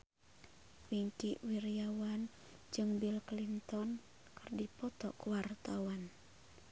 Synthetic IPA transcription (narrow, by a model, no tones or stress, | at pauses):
wiɲt͡ʃiʔwiɾiawan | d͡ʒɨŋbilklint̪ɔn | kərdipɔt̪ɔ̰kuwart̪awan